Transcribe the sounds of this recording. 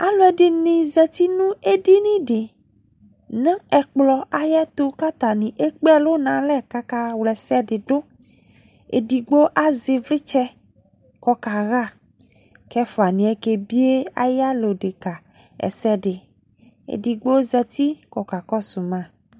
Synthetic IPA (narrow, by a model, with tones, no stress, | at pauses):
a˨lo˦ɛ˨ɖɪ˨nĩ˨zɛ˨t̪i˦nũ˦e˦di˦nĩ˦ɖɪ˨ | nã˦ɛ˨k͡plɔ˨a˦jɛ˦t̪o˦ka˦t̪a˨nĩ˨ʔe˦k͡pɛ˦lo˦nã˨lɛ˦ka˦ka˦wlɛ˨sɛ˦ɖɪ˨ɖʊ˦ | ḛ˨di˨ɡ͡bo˦ʔa˦zɪ˨vlɪ˦t͡ʃɛ˦ | kɔ˦ka˨ɣa˦˨ | kɛ˦fo˨a˨nĩ˨ɛ˦ke˦bi˦e˦a̰˦ja˦lo˨ɖe˨ka˨ | ɛ̰˨sɛ˦ɖɪ˨ | ḛ˨di˨ɡ͡bo˦zɛ˨t̪i˦kɔ˨ka˨kɔ˦su˨mã˦˨